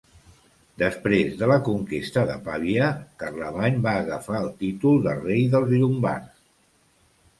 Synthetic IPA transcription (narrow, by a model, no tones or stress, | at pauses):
d̪əspɾezðələkuŋkist̪əðə̰paβjəkərləβaɲbaːɣəfaəlˠt̪it̪ulˠd̪ərejðəlˠzʎumba̰rs